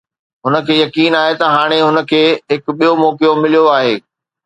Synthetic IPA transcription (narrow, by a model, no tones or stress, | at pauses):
ɦʊnə̆kʰeːjɐkiːnaːɦet̪ɐɦaːɽ̃eɦʊnə̆kʰeːɦɪkɓijomɔːkijomɪlijoaːɦeː